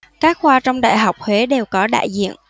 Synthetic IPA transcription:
kaː˦˥k̚xwaː˧t͡ɕɔ˧wŋ͡mɗa̰ː˧˨jɦa˨˩wk͡p̚hwe˨˦ɗe˨˩wkɔ˨˦ɗa̰ː˧˨jzḭ˧˨ən

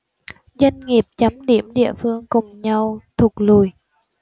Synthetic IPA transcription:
zwa˧ŋŋi˨˩əp̚t͡ɕə˨˦mɗi˧˩əmɗḭ˧˨əfɨ˧əŋkʊ˨˩ŋ͡mɲa˧wt̪ʰʊ˨˩k̚lu˧˩j

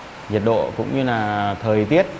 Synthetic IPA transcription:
zi˨˩t̚ɗo̰˧˨kʊ̰˧˥ŋ͡mɲɨ˧laː˨˩t̪ʰəː˨˩jt̪i˦˥ət̚

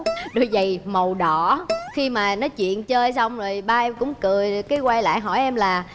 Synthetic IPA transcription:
ɗo˨˩jzə˨˩jmə˨˩wɗɔ˧˨xi˧maː˨˩nɔ˨˦t͡ɕwḭ˧˨ənt͡ɕəː˧jsa˧wŋ͡mzo˨˩jɓaː˧kʊ̰˧˥ŋ͡mkɨ˨˩əjkaː˨˦jkwa˧jla̰ː˧˨jɦɔ̰˧˩jʔɛ˧mlaː˨˩

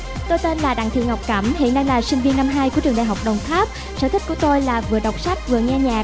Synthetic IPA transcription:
t̪o˧jt̪e˧nlaː˨˩ɗa̰˧˨ŋt̪ʰḭ˧˨ŋa˨˩wk͡p̚kə˧˩mhḭ˧˨ənːa˧jlaː˨˩sï˧ŋ̟vi˧ənːa˧mɦaː˧jku˧˩˦t͡ɕɨ˨˩əŋɗaː˨˩ɦa˨˩wk͡p̚ɗə˨˩wŋ͡mt̪ʰaː˦˥p̚ | sə̰ː˧˥t̪ʰï˦˥k̚ku˧˩ət̪o˧jlaː˨˩vɨ˨əɗə˨˩wk͡p̚sa˦˥jk̟̚vɨ˨˩əŋɛ˧ɲaː˨˩

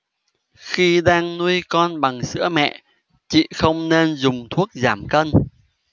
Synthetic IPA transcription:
xi˧ɗaː˧ŋnu˧əjkɔ˧nɓa˨˩ŋsɨ̰˧˥əmɛ̰˧˨ | t͡ɕḭ˧˨xə˧wŋ͡mne˧nzʊ˨˩ŋ͡mt̪ʰu˦˥ək̚zaː˧˩mkə˧n

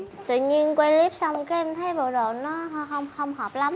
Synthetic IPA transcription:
t̪ɨ̰˧˨ɲi˧ənkwɛ˧li˦˥əp̚sa˧wŋ͡mkaː˦ɛ˧mt̪ʰə˨˦jɓo̰˧˩ɗo̰˧˨nːɔ˨˦˧ɦə˧wŋ͡mxə˧wŋ͡mhɔː˨˩p̚la˨˦m

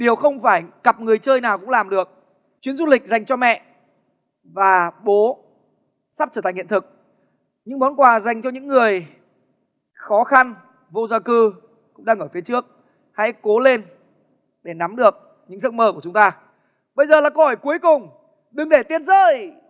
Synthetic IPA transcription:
ɗi˨˩əwxə˧wŋ͡mfaː˧˩jɣa˨˩p̚ŋɨ˨˩əjt͡ɕəː˧jnaː˨˩wkʊ̰˧˥ŋ͡mlaː˨˩mɗɨ˨˩ək̚ | t͡ɕwi˨˦ənzu˧lï˨˩k̟̚za˨˩jŋ̟t͡ɕɔ˧mɛ̰˧˨ʔ | vaː˨˩ɓo˨˦ | sa˦˥p̚t͡ɕəː˧˩t̪ʰa˨˩ŋhḭ˧˨nt̪ʰɨ˨˩k̚ | ɲɨ̰˧˥ŋmɔ˨˦nkwaː˨˩za˨˩jŋ̟t͡ɕɔ˧ɲɨ̰˧˥ŋːɨ˨˩əj | xɔ˨˦xa˧n | vo˧zaː˧kɨ˧ | kʊ̰˧˥ŋ͡mɗaː˧ŋəː˧˩jfi˨˦t͡ɕɨ˦˥ək̚ | ha̰˧˥jko˨˦le˧n | ɗe˧˩na˨˦mɗɨ˨˩ək̚ | ɲɨ̰˧˥ŋzɨ̰˦˧˥ŋ̚məː˧˩ku˧˩ət͡ɕʊ˨˦ŋ͡mt̪aː˧ | ɓə˧jzəː˨˩laː˨˩ko˧˩hoː˧˩jku˨˦əjkʊ˨˩ŋ͡m | ɗɨ˨˩ŋɗe˧˩t̪i˧ənzəː˧j

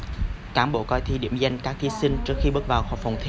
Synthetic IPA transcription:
kaː˧˩mɓo̰˧˩kɔ˧jt̪ʰi˧ɗḭ˧˩əmza˧jŋ̟kaː˦˥k̚t̪ʰi˨˦˥sï˧ŋ̟t͡ɕɨ˦˥ək̚xi˧ɓɨ˦˥t̚vaː˨˩wxɔ˨˩wfə˨˩wŋ͡mt̪ʰi˧

